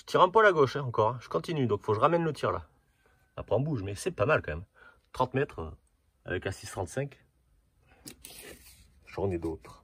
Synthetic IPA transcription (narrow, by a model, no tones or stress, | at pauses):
ʒət̪ʰiʁɛ̃palaɡoʃɛ̃ɑ̃kɔʁɛ̃ʒə̥kɔ̃t̪inyd̪ɔ̃kfoʒəʁamɛnlət̪ʰiʁla̰ | a̰pχɛɔ̃buʒmɛsɛpamalkɑ̃mɛm | t̪χɑ̃t̪mɛt̪χø̰ | a̰vɛkasist̪χɑ̃t̪sɛ̃k | ʒɔʁned̪ot̪χ